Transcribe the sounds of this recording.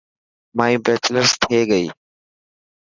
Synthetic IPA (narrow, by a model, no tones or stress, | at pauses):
mãːĩːbeːt͡ʃləɾst̪ʰeːɠəḭː